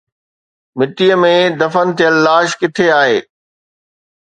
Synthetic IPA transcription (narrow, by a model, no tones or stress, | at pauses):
mɪt̪iəmẽd̪ɐfənt̪ijəlːaːʃkɪt̪ʰeaːɦeː